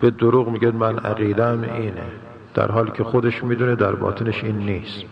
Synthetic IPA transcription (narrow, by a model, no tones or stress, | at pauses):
b̥ed̪oɾuːɣmiːɡed̪mænæ̰ɣiːd̪ææmiːnḛ | d̪̥æ̰ɾɦɒːliːcʲʰexod̪eʃmiːd̪uːned̪æɾbɒ̰ːt̪ʰeneʃiːnːiːst̪